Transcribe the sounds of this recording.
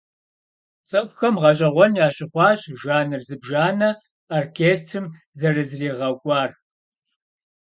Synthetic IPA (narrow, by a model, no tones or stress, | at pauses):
t͡sʼɨkʷʼxɐmʁɐɕʼɐʁʷɔnjaːɕʼɪχʷɑːɕʼʒaːnɨrzɨbʒaːnɐ | oːrkʰeːstʰɨm | zɐrɨzriːʁɐkʷʼɑːr